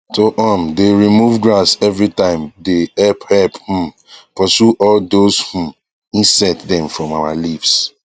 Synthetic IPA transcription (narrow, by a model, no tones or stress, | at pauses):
toʔɔ̃mdeɹimuvɡɹasɛvɹitãɪ̃mdeɛlphɛlphũm | pɔsuʔɔldoshũm | ĩnsaɪddɛ̃mfɹɔ̃mawalips